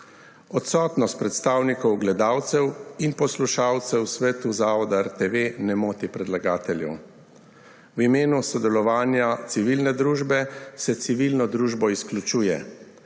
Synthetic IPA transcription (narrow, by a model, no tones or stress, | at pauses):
ɔt̪sɔːt̪nɔst̪̚pɾɛt̪st̪aːwnikɔwɡlɛd̪aːwt̪sɛwinpɔsluʃaːwt̪sɛwsʋɛːt̪uzaːɔd̪aɛɾt̪eʋenɛmoːt̪ipɾɛd̪laɡaːt̪ɛljɛ̰w | wimeːnusɔd̪ɛlɔʋaːnjat̪siʋilnɛd̪ɾuːʒbɛsɛt̪siʋilnɔd̪ɾuːʒbɔisklʲut͡ʃuːjɛ